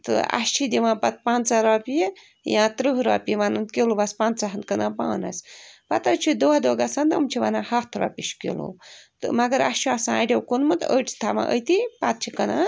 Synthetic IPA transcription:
t̪ɨ̰a̰ʃt͡ʃʰid̪ʲiʋãːpɐt̪̚paːnt͡saɾaːpije | jãːt̪ɾɨɦɾaːpʲiʋanɨnkilubɐspaːnt͡saɦɐnkənãːpa̰ːna̰spɐt̪at͡ʃʰud̪oad̪oːɡasand̪umt͡ʃʰiʋanaːhɐt̪ʰɾa̰ːpʲiʃkḭlṵt̪ɨ̰mɐɡəɾast͡ʃʰiasãaɖʲewkunmɨt̪əʈt̪ʰama̰ʔə̰jt̪ipat̪̚t͡ʃʰikɐna

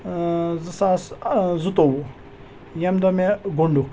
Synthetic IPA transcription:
zɨsaszut̪owu | jamd̪ɔmeɡoɳɖuk

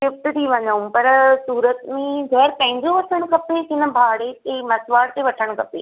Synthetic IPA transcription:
ɪfʈ̪t̪ʰiʋɐɲəũpɐɾsuːɾət̪mẽɡɛːɾpɐ̃ɦɪ̃ɲd͡ʑoʋɐʈʰəɽ̃kʰɐpekɪnə̆bʱaːɽek̪ʰemɐsʋaːɽt̪eʋɐʈʰəɽ̃kʰɐpḛː

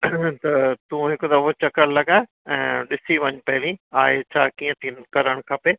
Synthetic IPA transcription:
t̪ɐt̪ũɦɪkd̪ɐɦot͡ɕɐkəɽlɐɠaːe | ɛ̃ːɗɪsiʋɐɲpɐɦɪlĩaːɦet͡ɕʰaːkiːə̃t̪ʰiːnkɐɾəɽ̃kʰɐpeː

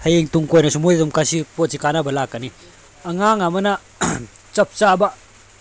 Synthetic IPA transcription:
hɐjeŋtuŋkojnɐsumujɐdumkasiposikanɐbɐlakːɐni | ɐŋaŋɐmɐnɐ | t͡ʃɐp̚t͡ʃabɐ

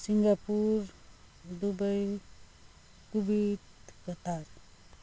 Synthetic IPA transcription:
siŋɡapuɾ | d̪ubəj | kubit̪kət̪aɾ

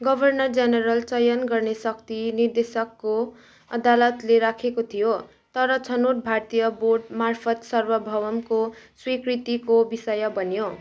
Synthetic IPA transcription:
ɡʌbʱʌrnʌrd͡zʌneɾʌlt͡sʌjʌnɡʌrnesʌkt̪inird̪esʌkːo | ʌd̪alʌt̪leɾakʰekot̪ʰijo | t̪ʌɾʌt͡sʰʌnuɾbʱart̪ijʌborɖmarpʰʌt̪sʌrwʌbʱʌwʌmkoswikɾit̪ikobisʌjʌbʌnjo

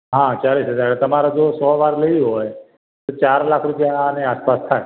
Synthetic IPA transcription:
ɦãt͡ʃalisɦəd͡ʒaɾt̪əmaɾad͡ʒosɔʋaɾləiɦɔj | t̪ot͡ʃaɾlakʰɾupjaneaspast̪ʰae

